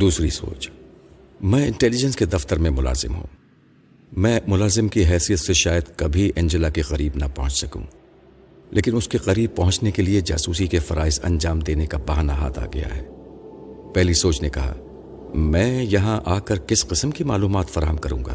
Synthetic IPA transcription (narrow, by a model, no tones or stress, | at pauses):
d̪uːsɾiso̰ːt͡ʃ | mɛ̃ːɪ̃ɳʈɛːlɪd͡ʒə̃nsked̪ɐft̪əɾmẽmʊla̰ːzɪ̰mɦṵ̃ː | mɛ̃ːmʊlaːzɪmkiɦɛːsijət̪seʃaːjəd̪kɐbʱiʔɛ̃nd͡ʒəlakiqɐɾiːbnɐpɐɦʊ̃t͡ʃsɐkṵ̃ː | lʔḛːkɪnʊskeqɐɾiːb̚pɐɦʊ̃t͡ʃnekelied͡ʒa̰ːsuːsikefɐɾaːɪsɐ̰̃nd͡ʒaːmd̪eːnekabɐɦnaɦa̰ːt̪ʰa̰ːɡɐ̰ja̰ɦɛː | pɛɦlisoːt͡ʃnekɐɦa̰ | mɛ̃ːjɐɦãʔaːkəɾkɪsqɪsəmkimaːluːmaːt̪fɐɾaːɦəmkɐɾũːŋɡa̰ː